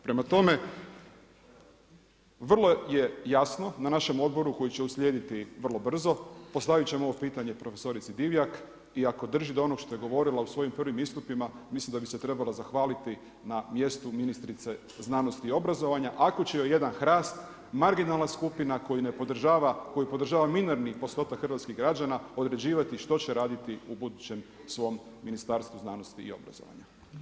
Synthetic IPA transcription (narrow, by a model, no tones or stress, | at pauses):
pɾe̞mat̪o̞me̞ | ʋr̩lˠo̞je̞jasno̞nanaʃe̞mo̞d̪̚bo̞ɾuko̞jit͡ɕeusʎʲjeːd̪it̪iʋr̩lˠo̞br̩zo̞po̞st̪aʋit͡ɕe̞moo̞ʋopiːt̪aɲe̞pɾo̞fe̞so̞ɾit̪sid̪iʋjak | iako̞d̪r̩ʒid̪oo̞no̞ɡʃt̪o̞jeɡo̞ʋo̞ɾilˠausʋo̞jimprʋimist̪upimamislimd̪abise̞t̪ɾe̞balˠazaxʋaːlit̪i | namje̞st̪uminist̪ɾit̪se̞ | znano̞st̪iːo̞bɾazo̞ʋaɲaʔako̞t͡ɕejoje̞d̪anxɾaːst̪ | maɾɡinalˠnaskupinakojinepod̪ʒaʋako̞jipo̞d̪ɾr̩ʒaːʋamineɾnipo̞st̪o̞t̪akxrʋat̪skiɣɡɾad͡ʑanao̞d̪ɾe̞d͡ʑiːʋat̪iʃt̪o̞t͡ɕeɾaːd̪it̪iubud̪ut͡ɕe̞m | sʋo̞mːinist̪aːɾst̪ʋuznano̞st̪iḭo̞̰bɾa̰zo̰ʋa̰ɲa